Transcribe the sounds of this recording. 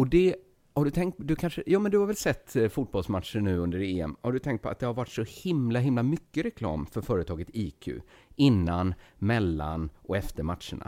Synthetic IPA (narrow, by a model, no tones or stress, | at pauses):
ɔd̪ɛ | haɖɵt̪ʰɛŋkt̪̚d̪ɵkʰanʂəjɑːmɛnd̪ɵhaɾvɛlsɛt̪ːfʊt̪̚bɔlsmat̪ʂəːʉ̟ːɵnd̪əɾeːɛ̰mhaɖɵt̪ʰɛŋkt̪̚pʰɔ̰at̪̚d̪ɛhaɾvaʈːsɔhɪmlaɦɪmlamʏkːəɾɛkʰlɑ̰ːmfœɾfœːɾət̪ʰɑːɡət̪iːkʰʉ̰ːɪnːanmɛlːa̰nʔɔɛft̪əɾmat̪ʂəɳa̰